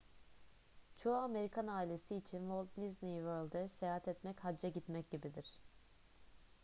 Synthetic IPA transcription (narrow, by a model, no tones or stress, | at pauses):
t͡ʃʰo̞ame̞ɾikʰanaːilʲe̞siːt͡ʃʰinvolˠt̪nʲiznijvøɾlʲˠd̪ɛsejaːɦat̪ɛt̪mɛchad͡ʒaɟit̪mɛcɟibid̪iɾ̝̥